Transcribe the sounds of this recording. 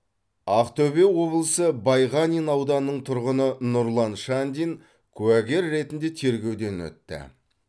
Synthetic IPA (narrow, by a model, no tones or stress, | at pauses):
ɑqt̪ɵbe̞wo̞blˠəsəbɑjʁɑnʲijnɑwd̪ɑnːəɴt̪ʰʊɾʁənənʊɾlˠɑnʃand̪ʲin | kʲʰʉæɡʲe̞ɾːe̞t̪ɪnd̪e̞t̪ʰe̞ɾɡʲe̞wd̪e̞nwɵ̰t̪ːɪ̰